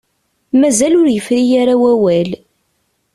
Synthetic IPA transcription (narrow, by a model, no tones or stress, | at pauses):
mæzælʊɾjəfɾijaɾawæwæl